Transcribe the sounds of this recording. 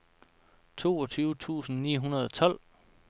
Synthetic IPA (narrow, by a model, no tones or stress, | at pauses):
t͡sʰo̝ːɒt͡sʰyːʊt͡sʰṵːsn̩nḭːɦunɐð̞ˠɒ̽t͡sʰɒ̽l̰